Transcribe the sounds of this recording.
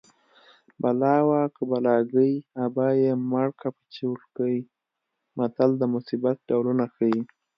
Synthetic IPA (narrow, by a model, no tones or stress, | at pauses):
balɑwakəbalɑɡəjabajemaɽkapə̥t͡ʃiwlkəi | mat̪ald̪əmʊsibat̪̚ɖawlunaxaji